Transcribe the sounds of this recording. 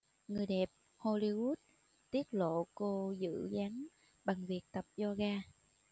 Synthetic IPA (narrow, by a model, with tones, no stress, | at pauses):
ŋɨ˨˩əjɗɛ˨˩p̚ | ho˧li˧wu˦˥t̚ | t̪i˦˥ət̚lo̰˧˨ko˧zɨ̰˧˥ɣa˨˦ŋ | ɓa˨˩ŋvi˨˩ək̚t̪ə˨˩p̚zɔ˧ɣaː˧